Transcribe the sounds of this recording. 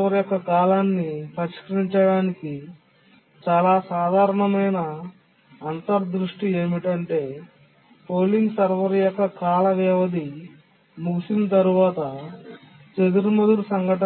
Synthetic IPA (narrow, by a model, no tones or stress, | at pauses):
ɐɾjɔkːɐkaːlaːnːipɐɾiʃkɐɾiɲt͡ʃɐɽaːniki | t͡ʃaːlaːsaːd̪ʱaːɾɐɳɐmɐjnɐː | nt̪ɐɾd̪ɾuʂʈieːmiʈɐɳʈe̞ː | poːlinsɐɾʋɐɾjɔkːɐkaːlɐʋɛːʋɐd̪i | muɡusinɐt̪ɐɾuʋaːt̪ɐ | t͡ʃed̪uɾumɐd̪uɾusɐŋɡʱɐʈɐ